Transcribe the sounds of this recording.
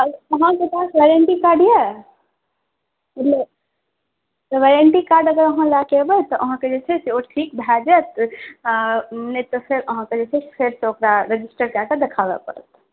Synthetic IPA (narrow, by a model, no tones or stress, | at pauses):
əɦãket̪asʋeɾiəɳʈikaɾɖje | mət̪ləb | t̪ɔʋeɾəɳʈikaɾɖəɡəɾəɦãlakebət̪ɔʔəɦãked͡ʒet͡ʃʰɛseoʈɾik̚bʱad͡ʒət̪ | net̪ɔpʰeɾəɦãked͡ʒet͡ʃʰɛpʰeɾsẽokɾaɾed͡ʒisʈəɾkakəd̪ekʰabɛ̰pə̰ɾə̰t̪